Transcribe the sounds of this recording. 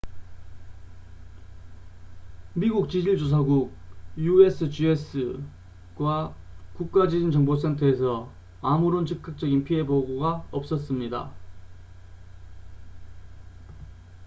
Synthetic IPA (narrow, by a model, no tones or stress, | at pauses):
miɡuk̚t͡ɕid͡ʑiɭd͡ʑos̬ʰaɡuk̚jue̞sʰɯd͡ʑies͈ʰɯ | ɡwakuk̚k͈ad͡ʑid͡ʑint͡ɕʌŋbos̬ʰentʰʌe̞sʰʌ | amuɾont͡ɕʰɯk͈̚ak̚t͡ɕ͈ʌɡinpʰie̞boɡoɡaʌp̚s͈ʌs͈ɯmɲida̰